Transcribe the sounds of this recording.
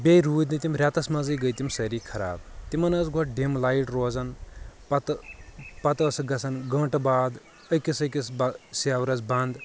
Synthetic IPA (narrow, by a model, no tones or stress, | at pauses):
bʲejɾuːd̪nit̪imɾʲat̪ɐsmɐzɐjɡɐjt̪imsɐɾikʰɐɾa̰ːbt̪imɐnɐzɡoʈ̚ɖimlaːiʈɾoːzɐnpɐt̪pɐt̪ɐsɡɐsʰɐnɡɐ̃ːʈbaːd̪ | ɐjkisɐjkisbɐseːwɾɐt͡sbɐnd̪